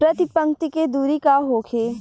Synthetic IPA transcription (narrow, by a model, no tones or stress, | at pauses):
pɾɐt̪ɪpə̃ŋkt̪iked̪uːɾikaɦoːkʰeː